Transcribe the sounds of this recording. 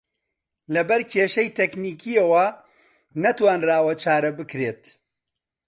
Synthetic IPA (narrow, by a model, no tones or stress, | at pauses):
lɐbɐɾkʰeːʃɐjt̪ʰekniːkʰiɐwɐ | nɐt̪waːnraːwɐt͡ʃʰaːɾɐbɨkɾeːt̪